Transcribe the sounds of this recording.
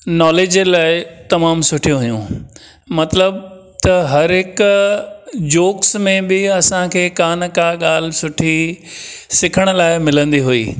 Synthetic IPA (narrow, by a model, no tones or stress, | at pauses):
nɔːleːd͡ʑlaːɪt̪ɐmaːmsʊʈʰijõɦʊjṵ̃ | mɐt̪ləb | t̪ɐɦɐɾɦɪk | d͡ʑoːksmẽbɪɐsãkʰeːkaːnkaːɠaːl̤ɪsʊʈʰi | sɪkʰəɽ̃ʊ̆laːɪmɪlə̃nd̪iɦuḭː